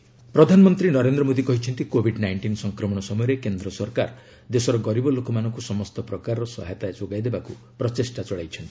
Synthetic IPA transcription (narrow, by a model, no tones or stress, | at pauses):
pɾɔd̪ʱanɔmɔnt̪ɾinɔɾend̪ɾɔmod̪ikɔɦit͡ʃʰɔnt̪ikobʱiɖnajɳʈinsɔŋkɾɔmɔɽ̃ɔsɔmɔjɔɾekend̪ɾɔsɔɾkaɾ | d̪esɔɾɔɡɔɾibɔlokɔmanɔŋkusɔmɔst̪ɔpɾɔkaɾɔɾɔsɔɦajt̪aed͡ʒoɡajd̪ebaku | pɾɔtesʈat͡ʃɔɽajt͡ʃʰɔnt̪i̥